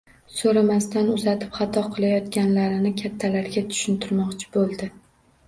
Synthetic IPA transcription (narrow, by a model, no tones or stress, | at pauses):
soɾamast̪ʰanʊzat̪ʰɪ̥pχɑt̪ʰɒqʰɨlˠajɒt̪kʲanlaɾɪnɪkʲʰat̪ʰːalaɾɡʲat̪ʰʊ̥ʃɪnt̪ʰɪɾmɒqt͡ʃʰɪ̥bolˠd̪ɪ